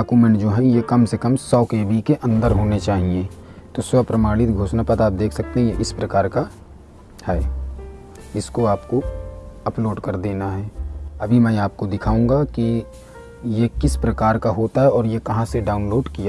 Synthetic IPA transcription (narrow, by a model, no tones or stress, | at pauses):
aːkuːmẽɳʈd͡ʒoːɦɛjekɐmsekɐmsɔːkeːbikeʔɐ̃nd̪əɾɦoːnet͡ʃaːɦieː | t̪oswɐpɾɐmaːɽɪt̪ɡʱoːʃnapɐt̪aːp̚d̪eːkʰsɐk̚t̪eɦẽeʔɪspɾɐkaːɾka | hɛː | ɪskoaːpkoɐploːɖkɐɾd̪eːnaɦɛːɐbʱimɛ̃aːp̚kod̪ɪkʰaːũːɡaki | jekɪspɾɐkaːɾkaɦoːt̪aɦɛɔːɾjekɐɦãseɖaːʊnloːɖkija